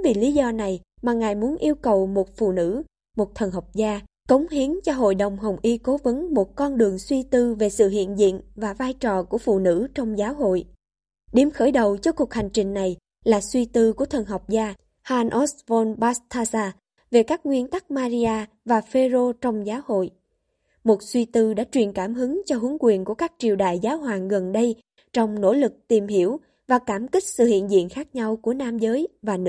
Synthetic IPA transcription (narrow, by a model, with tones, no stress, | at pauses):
vi˨˩li˨˦zɔ˧na˨˩j | maː˨˩ŋaː˨˩jmu˨˦ənʔi˧əwkə˨˩wmo˨˩t̚fṵ˧˨nɨ̰˧˥ | mo˨˩t̚t̪ʰə˨˩nɦɔ˨˩wk͡p̚zaː˧ | kə˨˦wŋ͡mhi˨˦ənt͡ɕɔ˧ɦo̰˧˨jɗə˨˩wŋ͡mɦə˨˩wŋ͡mʔi˧ko˨˦və˨˦nmo˨˩t̚kɔ˧nɗɨ˨˩əŋswi˧t̪ɨ˧ve˨˩sɨ̰˧˨ɦḭ˧˨ənzḭ˧˨ənvaː˨˩vaː˧jt͡ɕɔ˨˩ku˧˩əfṵ˧˨nɨ̰˧˥t͡ɕɔ˧wŋ͡mzaː˨˦wɦo̰˧˨j | ɗi˨˧˩mxəː˧˩jɗə˨˩wt͡ɕɔ˧ku˨˩ək̚ha˨˩jŋ̟t͡ɕï˨˩ŋ̟na˨˩j | laː˨˩swi˧t̪ɨ˧ku˧˩ət̪ʰə˨˩nɦɔ˨˩wk͡p̚zaː˧ | haː˧nʔo˦˥svɔ˧nɓaː˦st̪ʰaː˧zaː˧ | ve˨˩kaː˦˥k̚ŋwi˧ənt̪a˦˥k̚maː˧zi˧aː˧ | vaː˨˩fe˧zo˧t͡ɕɔ˧wŋ͡mzaː˨˦who̰˧˨j | mo˨˩t̚swi˧t̪ɨ˧ɗa̰ː˧˥t͡ɕwi˨˩ənkaː˧˩mɦɨ˨˦ŋt͡ɕɔ˧ɦɨ˨˦ŋkwi˨˩ənku˧˩əkaː˦˥k̚t͡ɕi˨˩əwɗa̰ː˧˨jzaː˨˦wɦwaː˨˩ŋɣə˨˩nɗə˧j | t͡ɕɔ˧wŋ͡mno̰˧˥lɨ˨˩k̚t̪i˨˩mɦi˧˩əw | vaː˨˩kaː˧˩mkï˦˥k̟̚sɨ̰˧˨hḭ˧˨ənzḭ˧˨ənxaː˦˥k̚ɲa˧wku˧˩ənaː˧mzəː˨˦jvaː˨˩nɨ̰˧˥